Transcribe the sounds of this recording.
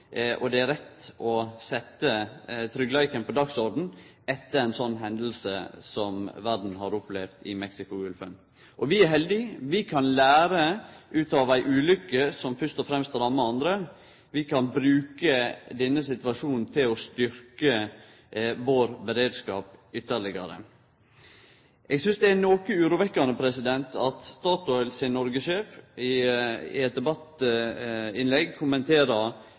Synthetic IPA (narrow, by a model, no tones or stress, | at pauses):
ʔɔd̪ɛæɾɛt̪ːɔsɛt̪ːət̪ʰɾʏɡlæɪkənpʰɔd̪ɑksɔɾɖn̩ | ɛt̪ːəɾæɪnsɔnːɦɛnd̪l̩sə̰sɔmʋæɖn̩ɦɑɾʊplɛʋt̪ɪ̰mɛksɪkʊʉlfən | ʔɔʋɪæɾɦɛld̪ɪʋɪkʰɑnlæːɾəʔʉːt̪ɑʋæɪʔʉːlʏkːəsɔmfœʂt̪ɔfɾɛmst̪æd̪ɑmːəɑnd̪ɾə | ʋɪkʰɑnbɾʉːkəd̪ɛnːəsɪt̪ʋɑʂuːnn̩t̪ʰɪlɔst̪ʏɾkə | ʋoːɾbɛɾeːd̪skɑ̰ːpʏt̪ːəɾɭɪɡɑ̰ɾə̰ | ʔɛɡsʏnsd̪ɛænoːkəʉːɾuːʋɛkːɑnəpʰɾɛsɪd̪ɛnt̪ʰɑt̪st̪ɑːt̪ɔʏlsɪnnːɔɾɡəʃeːfɪɪ̰ɛt̪̚d̪ɛbɑt̪ː | ɪnlɛɡkʰʊmənt̪ʰeːɾəɾ